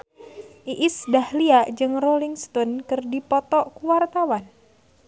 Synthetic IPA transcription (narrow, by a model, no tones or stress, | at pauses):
ʔiʔisdahliaʔd͡ʒɨŋroliŋst̪ɔnkɨrdipɔt̪ɔʔkuwart̪awan